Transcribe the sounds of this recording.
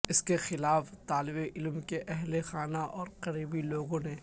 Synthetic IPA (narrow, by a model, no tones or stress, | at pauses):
ɪskexɪlaːft̪aːlɪbeʔɪlmkeʔɛɦlexaːnaʔɔːɾqɐɾiːbiloːɡõneː